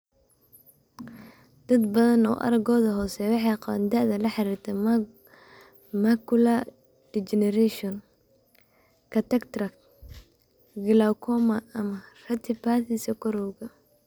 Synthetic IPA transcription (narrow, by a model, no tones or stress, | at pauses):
d̪̥ɐd̪bɐðɐnɔ̰ːʔɐ̰ɾɐɡɔːðɐɦɔːsɛwɑħɑjqɑβa̰ːnd̪ɐʔðɐlɐħɑɾiːrt̪ʰɛ | makʊla | d̥it͡ʃɛnɛɾɛʃɔn | kʰɐt̪ʰɛkt̪rɐk | ɡɪlakʰɔmɐɐmɐrɐt̪ʰɪpaːθisɐkʰɔɾɔwɣɐ